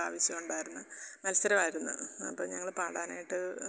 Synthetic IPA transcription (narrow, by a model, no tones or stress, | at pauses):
a̰ːʋɐɕjɐmuɳɖaːjiɾunːɨmɐlɐsɐɾɐmaːjiɾunːṵɐ̰pːoːɲɐŋːɐɭpaːɽaːna̰ːjiʈːɨ